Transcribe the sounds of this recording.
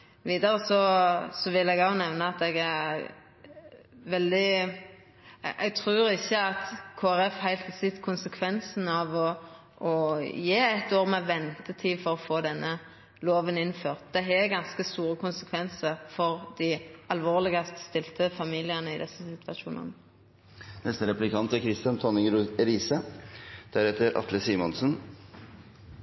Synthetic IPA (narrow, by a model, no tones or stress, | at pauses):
ʋiːd̪ɑɾəsɔsɔʋɪlːɛɡɑʊnɛʋnəɑt̪ɛɡæ | ʋɛld̪ɪ | ʔɛɡt̪ʰʁʉːɾɪçːəɑt̪kʰoːæɾɛfhæɪlt̪hɑsɪt̪ːkʰʊnsəkʰʋɛnsn̩ɑʋɔ | ʔɔjeːɛt̪oːʁmɛʋɛnt̪ət̪ʰiːfɔɾɔfoːd̪ɛnːə | loːʋənɪnføːʁt̪̚d̪̥ɛɦɛɡɑnskəst̪uːɾəkʰʊnsəkʰʋɛnsəʁfɔʁd̪ɪɑlʋoːʁlɪɡɑst̪st̪ɪlt̪əfɑmiːlɪənəɪd̪ɛsːəsɪt̪ʋɑʃṵːnə̰nə | nɛst̪əɾɛplɪkʰɑnt̪ækʰɾɪst̪jɑnt̪ʰɔnɪŋɾiːsəd̪̥æɾɛt̪əɾʔɑ̰t̪ləsiːmɑnsn